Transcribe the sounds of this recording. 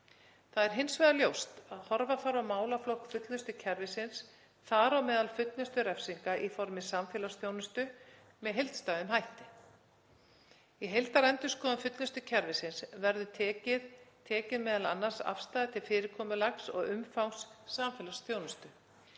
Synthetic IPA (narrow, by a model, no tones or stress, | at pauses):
θaðɛɾ̥ɦɪnsvɛðaljowst̪aðhɔɾvafawɾawmaːwlaflɔwhkfʏt̪lnɪst̪ʏcʰɛɾvɪsɪns | θaɾawmɛːðalfʏt̪lnɪst̪ʏɾɛfsiŋkaʔifɔɾmɪsamfɛːlasθjoːwnʏst̪ʏ | mɛðɦejlt̪st̪aːðʏmɦajht̪ɪ | iɦejlt̪aɾɛnt̪ʏskʰɔːðafʏt̪lɪst̪ʏcʰɛɾvɪsɪnsvɛɾðʏt̪ʰɛːcɪðt̪ʰɛːcɪðmɛːðala̰nːḁsa̰fst̪ajðɪt̪ʰɪlfɪːɾɪɾkʰɔːmʏlaksɔ̰ɣʏmfawŋsːamfɛːlasθjownʏst̪ʏ